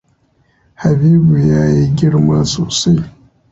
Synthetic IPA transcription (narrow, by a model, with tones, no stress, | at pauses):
ha˨biː˦bu˨jaː˦jiː˦ɡʲɪ˦ɽmaː˦soː˨sa˦j